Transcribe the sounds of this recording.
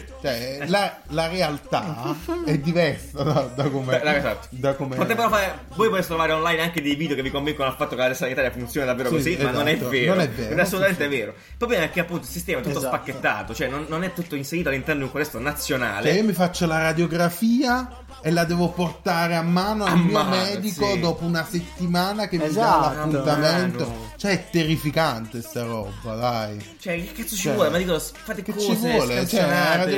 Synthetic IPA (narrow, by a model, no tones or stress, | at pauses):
t͡ʃoɛla | laɾealt̪a̰ɛd̪ːivɛrsad̪ad̪akomezat̪ːo̥d̪akomepot̪ɛmboɾofaːɾe | vɔːjpot̪esːet̪ɾovaːɾeonlajnaŋked̪ejvid̪eokevikoɱviŋkonoalfat̪ːokelad̪ɛsːait̪aːjafunt̪sjoːnad̪aveːɾokosizaonɛvːeːɾnoonɛvvːeːɾassolut̪ament̪eɛvːeːɾo | pɾoblɛmaɛkːeapːunt̪oilsist̪ɛːmat̪ut̪ːosspakːet̪ːa̰ːt̪ot͡ʃoɛnːonːonɛt̪ːut̪ːoinseɾiːoalːint̪ɛrnod̪iŋkoalɛst̪onat̪sːjona̰ːlet͡ʃɛiomifat͡ʃːolaɾad̪joɡɾafiːa | elːad̪ɛːvoport̪aːɾeamːaːnoalmiːomɛːd̪ikod̪ɔːpounaset̪ːimaːnak̟emmːialapːunt̪ament̪ot͡ʃoɛɛt̪ːerifikant̪est̪aɾɔ̰ːba̰d̪ajt͡ʃoɛkːat̪sːot͡ʃiwɔːlemad̪iːkofat̪ekt͡ʃːivwɔːlet͡ʃɛaɾad̪